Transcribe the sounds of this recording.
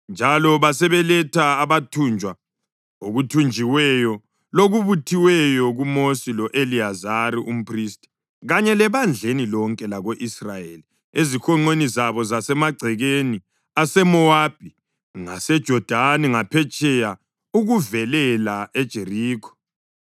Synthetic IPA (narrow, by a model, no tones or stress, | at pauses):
nd͡ʒʱalɔβasɛβɛlɛtʰaːβatʰund͡ʒʱwa | oɣutʰund͡ʒʱiwɛjɔ | loɣuβutʰiwɛjɔɣumosilɔʔeliazaɾiʔum̩pʰristʼi̥ | ɣaɲɛlɛβand͡ɮʱenilɔŋkʼɛlaɣoʔisrajeli | ezixɔŋ͡ǃenizaβɔzasɛmaɡ͡ǀʱɛɣeni | asɛmɔab̥ʱi | ŋa̰sɛd̥ʒ̥ʱɔd̥ʱaniŋapʰɛt͡ʃʼɛja | uɣuvɛlɛlaed̥ʒ̥ʱeriːkʰɔ̥